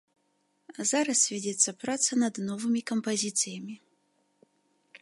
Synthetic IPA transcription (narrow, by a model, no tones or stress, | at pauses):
zaɾɐsvʲɛdʲɛt̪sːɐpɾat̪sɐnɐd̪nɔvɨmʲikɐmpɐzʲit̪sɨjɐmʲi